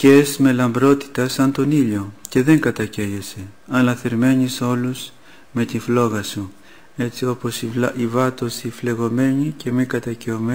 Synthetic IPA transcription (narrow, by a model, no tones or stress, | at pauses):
ce̞zme̞lɐmbɾo̞t̪i̥t̪ɐsɐnt̪o̞niʎo̞ce̞ðe̞ŋɡɐt̪ɐceʝese̞ɐlɐθeɾme̞ɲiso̞luz | me̞t̪iflo̞ɣɐsu | e̞t͡sio̞po̞siivɐt̪o̞sifle̞ɣo̞me̞ɲice̞mikɐt̪ɐceome